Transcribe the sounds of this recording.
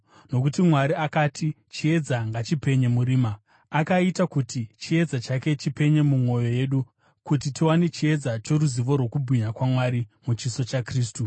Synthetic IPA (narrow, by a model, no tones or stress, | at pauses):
no̞k̬utimwaɾiakatʰi | t͡ʃie̞d͡zaŋɡat͡ʃipe̞ɲe̞muɾiːmaː | kaitakutit͡ʃie̞d͡zat͡ʃake̞t͡ʃipe̞ɲe̞mumwo̞jo̞je̞ɗu | kutitiwane̞t͡ʃie̞d͡zat͡ʃoɾuziʋo̞rwo̞kubʱiɲakwamwaɾimut͡ʃiso̞t͡ʃakriːstu